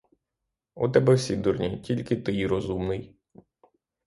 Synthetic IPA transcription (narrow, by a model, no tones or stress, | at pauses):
ṵt̪ɛbɛwsʲid̪urnʲitʲilʲkɪt̪ɪjɾɔzumnɪj